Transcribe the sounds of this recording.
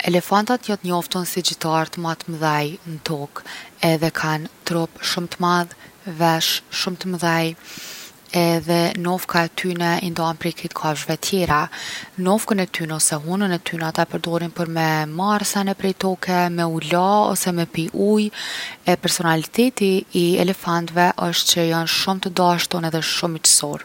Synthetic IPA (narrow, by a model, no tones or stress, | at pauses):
ɛlɛfant̪at̪jɔt̪ɲɔft̪unsid͡ʑit̪aɾt̪əmat̪məðajnət̪ɔkɛðɛkʰant̪ɾɔpʃumt̪əmað | vɛʃʃumt̪əməðaj | ɛðɛnɔfkaɛt̪ʰynɛind̪ɔɔnpɾikit̪kʰaʒvɛt̪ʰjɛɾanɔfkənɛt̪ynɛɔsɛɦunənɛt̪ynɛat̪apəɾd̪ɔɾinpəɾmɛmaɾsanɛpɾɛjt̪ɔkʰɛmɛulaɔ̰sɛmɛpiʔujɛpɛɾsɔnalit̪ɛt̪iːɛ̰lɛfant̪vɛʔəʃt̪t͡ɕəjanʃumt̪əd̪aʃt̪ɔnɛðɛʃumit͡ʃə̥sɔɾ